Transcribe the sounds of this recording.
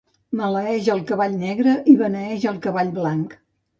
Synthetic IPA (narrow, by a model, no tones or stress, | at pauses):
mələɛʒəlˠkəβaʎnɛɣɾəʔiβənəɛʒəlˠkəβaʎblaŋk